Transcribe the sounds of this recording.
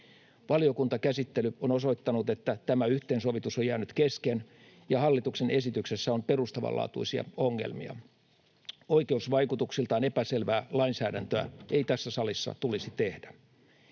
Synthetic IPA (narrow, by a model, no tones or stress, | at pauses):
ʋɑlio̞kunt̪ɑkæsit̪ːelyonoso̞it̪ːɑnut̪et̪ːæt̪æmæyht̪eːnsoʋit̪usojæːnyt̪kesken | jɑhɑlːit̪uksenʔesit̪yksesːæomperust̪ɑʋɑ̰lʔɑ̰ːt̪uisiɑ̰oŋːḛlmḭɑ̰ | oikeusʋɑikut̪uksilt̪ɑːnepæselʋæːlɑinsæːɾænt̪øæ̰eit̪æsːæsɑlisːɑ̰t̪ulisit̪ehdæ